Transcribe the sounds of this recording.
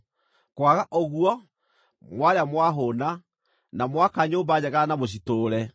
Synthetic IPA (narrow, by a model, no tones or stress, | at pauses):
kwaɣaʔɔɣuɔ | mwaɾeamwaɦona | namwakaɲoːmbaɲɛɣanamoɕ̬itoːɾɛ